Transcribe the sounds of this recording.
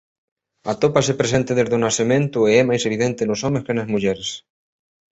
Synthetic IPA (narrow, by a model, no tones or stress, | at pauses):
at̪opasepɾesent̪eðezðonaθemẽnt̪ʊeɛmajseβ̞iðent̪enosomeskenazmuʎɛɾes